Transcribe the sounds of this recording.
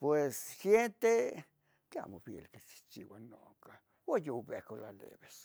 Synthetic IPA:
pwessjent̪e | kea̰mofjḛlkesi̥t͡ʃḭwano | ka | wajobehkolalḛβes

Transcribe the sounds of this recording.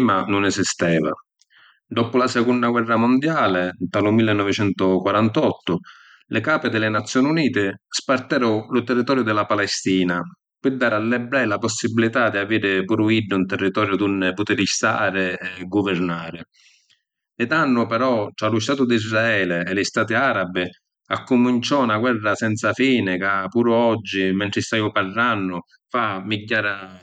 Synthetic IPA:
manʊnɛzist̪ɛːva̰ | d̪ɔpʊlasɛkunːaɡwɛrːamʊnd̪jaːlɪnt̪alʊmilːɪnːɔvɪt͡ʃɛnt̪ʊkwaɾant̪ɔt̪ːʊ | lɪkaːpɪd̪ɪlɪnat̪sːjɔːniuniːt̪ɪspart̪ɛːɾʊlʊt̪ɛrːit̪ɔːɾjʊd̪ɪlapalɛst̪iːna | pɪd̪ːaːɾalːɛbɾɛjlapɔsːibilit̪ad̪iaviːɾɪpuːɾʊiɖːɪunt̪ɛrːit̪ɔːɾjʊd̪unːput̪ɪɾist̪a̰ːɾɪɛɡʊvɪɾnaːɾɪ | ɛd̪anːʊpɛɾɔtːɾalʊst̪aːt̪ʊd̪izraɛːlɪɛlɪst̪aːt̪ɪaːɾabɪ | akːumint͡ʃɔnaɡwɛrːasɛnt̪safiːnɪkapuːɾʊɔd͡ʒːimɛnt̪ɾɪst̪ajʊparːanːʊ | famiɟːaːɾa

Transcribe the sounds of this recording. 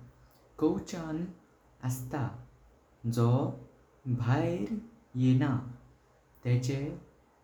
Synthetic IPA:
kɔwt͡ɕan | əst̪a | d͡zɔ | bʱajɾ | jɛna | t̪ɛ̃t͡ɕe

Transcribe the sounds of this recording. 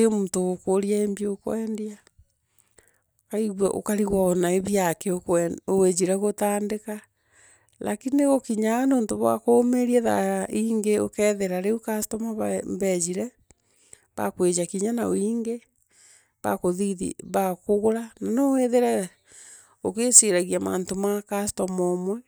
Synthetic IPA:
emuːntoɣokoɾiaembieokwɛndia | kaiɣwa̰ʔo̰kaɾiɣwaɔnaeβjakeokowed͡ʒiɾɛɣotaːndeka | la̰kinieɣokiɲanoːntoβwa̰komeɾiɛða̰iŋɡeokɛːðeɾaɾeukastɔmaββɛd͡ʑiɾɛ | βa̰kwed͡ʒakiɲanao̰iːŋɡe | βa̰koðiðḭβakoɣoɾananoweðeɾɛɣ | okeseɾaɣiama̰ːntomakastɔmɔmwɛ

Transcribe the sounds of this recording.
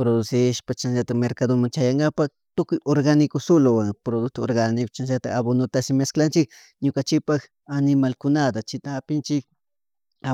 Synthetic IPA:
pɾod̪ʊsɪʃpat͡ʃanʃat̪ameɾkad̪omaŋt͡ʃajaŋɡapa | t̪ʊkʊjoɾɡanɪkosolowaŋpɾod̪ʊk̚t̪ooɾɡanɪkʊ̥t͡ʃanʃat̪aaβonʊt̪asɪmasklant͡ʃɪk | ɲokant͡ʃɪpax | anɪmalkʊnad̪at͡ʃɪt̪aːpɪnt͡ʃɪk | a

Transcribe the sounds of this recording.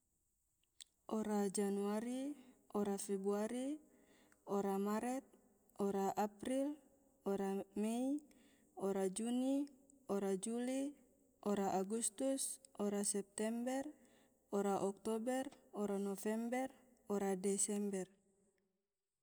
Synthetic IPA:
oɾad͡ʒanuaɾiʔɔɾafɛbuaɾi | ɔɾamaɾɛt̪̚ | ɔɾaʔapɾil | oɾamei | oɾad͡ʒuniɔɾad͡ʒuli | ʔɔɾaʔaɡust̪usɔɾasɛp̚t̪ɛmbɛr | ɔɾaʔɔk̚t̪ɔbɛrɔɾanofɛmbɛr | ɔɾadɛsɛmbɛr

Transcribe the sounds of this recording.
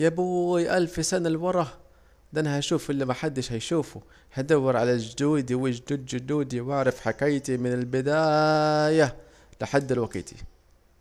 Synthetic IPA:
jabujʔalfisanalwɑɾˤɑh | d̪anhaʃuːfʔɪlːimaħad̪ːɪʃhajʃuːfu | had̪awːɪɾʕalad͡ʒʊd̪uːd̪iwɪd͡ʒd̪uːd̪d͡ʒʊd̪uːd̪iwaʕɾˤɑfħakajt̪imɪnɪlbɪd̪aːja | lɪħad̪ːɪlwaɡḭːt̪i̥̰

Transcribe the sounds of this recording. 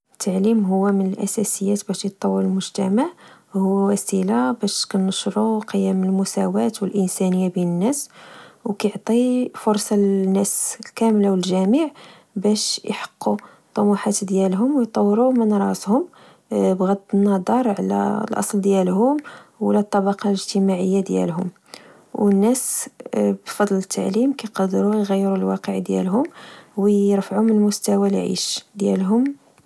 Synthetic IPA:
t̪ʰːaʕlimɦʊwːæmənəlʔæ̰sæsəjːæt̪bæʃjət̪ˤːɑwːəɾəlmʊʒt̪æmaʕhʊwwæsilabæʃkænəʃɾˤuqəjːæməlmʊsæwæt̪wəlʔənsænəjːabinənːæswkæjʕt̪ˤifʊɾˤsˤɑnːæslkæmlawəlʒæmiʕ | bæʃjħɑ̥qːu | t̪ˤːɑmuħat̪d̪jælɦʊmwjt̪ˤːɑwːɾumənɾˤɑshʊm | bɣæd̪nːɑd̪ˤɑɾˤʕlæ̰lʔɑ̰sˤld̪jælɦʊmwlæt̪ˤːɑbɑqɑləʒt̪əmaʕəjːad̪jæ̰lɦʊm | wənːæs | bfɑd̪ˤlət̪ʰːaʕlimkæjqɑd̪ɾujɣæjːəɾulwɑ̰qəʕd̪jæ̰lɦʊmwəəɾfaʕumənəlmʊst̪awalʕḭʃd̪jæ̰lɦʊm

